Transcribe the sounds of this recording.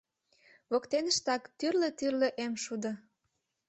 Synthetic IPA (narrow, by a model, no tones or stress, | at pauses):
βokt̪enə̆ʃt̪ɑkt̪yrlĕt̪yrlĕʔemʃud̪ɤ̆